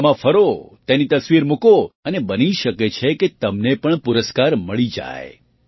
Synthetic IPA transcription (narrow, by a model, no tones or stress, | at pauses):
mãfəɾot̪enit̪əsʋiɾmukoənebəniʃəket͡ʃʰeket̪əmnepəɳpʊɾəskaɾməɭid͡ʒa̰e